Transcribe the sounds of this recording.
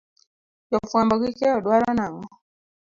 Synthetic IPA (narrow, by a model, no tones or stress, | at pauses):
jɔfuambɔɡikɛɔɗwaɾanaŋɔ